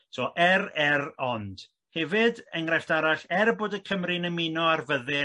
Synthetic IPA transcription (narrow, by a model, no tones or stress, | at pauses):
sʰɔːʔɛɾɛrɔnd̥ | hɛvɨdɛŋrɛɬd̥aɾaɬɛrboːdəkʰəmrɨnəmɪnɔarvəðɪ